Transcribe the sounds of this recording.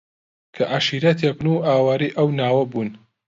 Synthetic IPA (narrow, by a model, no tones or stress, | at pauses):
kʰɐʔaʃiːɾat̪ʰepnuʔaːwaːɾiːʔɐwnaːwɐbuːn